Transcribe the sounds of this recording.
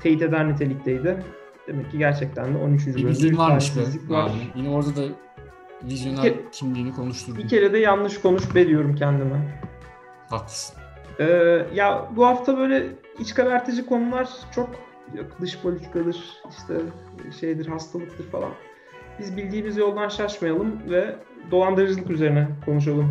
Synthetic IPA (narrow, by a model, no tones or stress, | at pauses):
t̪ʰe̞jit̪e̞d̪æɾnit̪ʰe̞lʲic̚t̪ʰejd̪ɪ | d̪̥e̞mɛcːiɟæɾt͡ʃʰɛc̚t̪ʰænd̪ɛʔo̞nyt͡ʃʰynd͡ʒybød̪iaselʲikvaɾjinɛoɾd̪ad̪a | vizjoeɾt̪ʰimlʲiːnikʰo̞nuʃt̪ʰuɾbicʰʲe̞ɾɛd̪ɛjanlɯʃkʰo̞nuʃbe̞lʲijo̞ɾumcʰænd̪imɛ | hat̪ | ɛːjabuɦaft̪ʰabø̞jlʲɛ | it͡ʃkabæɾt̪ʰed͡ʒiko̞nulˠaɾ̥t͡ʃʰo̞k | d̪ɯʃpʰolʲit̪ʰikʰad̪ɯɾ̥iʃt̪ʰɛ | ʃe̞jd̪iɾhast̪ʰalˠɯk̚t̪ʰɯɾfalˠa̰n | bizbilʲd̪iːmizjo̞lˠd̪anʃaɾʃmajalˠɯmvɛd̪o̞lˠand̪ɯɾɯd͡ʒɯlˠɯkyze̞ɾinɛkʰo̞nuʃ̬alˠɯm